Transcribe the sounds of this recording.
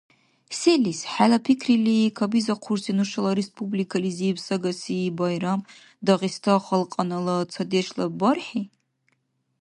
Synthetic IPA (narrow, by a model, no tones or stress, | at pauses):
selisħalapʰikʰrilikʰabizaqʰuɾsinuʃalaɾespʰʼublikʰalizibsaɡasibajɾam | d̪aʁist̪ʰaχalqʼanalat͡sʰad̪eʃlabarħi